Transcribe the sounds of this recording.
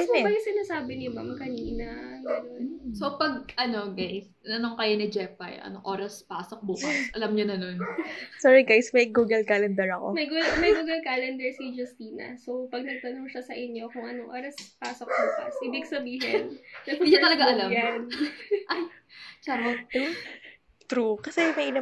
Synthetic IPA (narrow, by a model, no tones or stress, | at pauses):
bɐjsɪnaːsaːbɪnɪmamkɐniːnɐɡɐnonsopɐɡ̚ʔɐno̞ɡajs | nɐnoŋkɐjonɪd͡ʒɛp̚ɐ̰jʔɐ̰noŋʔoːɾɐspaːsok̚buːkɐsʔɐlɐmɲonɐno̞nsɔːɹiɡajsmɐjɡuːɡɛlkalɛnd̪ɛɹɐkomɐjɡmɐjɡuːɡɐlkaːlɛnd̪ɛɹsid͡ʒɐst̪iːnɐ̰sowpɐɡ̚nɐɡ̚t̪ɐnoŋʃɐsɐʔɪɲjo̞kʊŋʔɐnoŋʔoːɾɐspaːsok̚buːkɐsʔɪbɪɡsɐbiːɦɪnɐd̪iɐt̪ɐlɐɡaʔɐlamnʔɐjt͡ʃaɐt̪u | t̪ɾukɐsɛmɐjʔɪna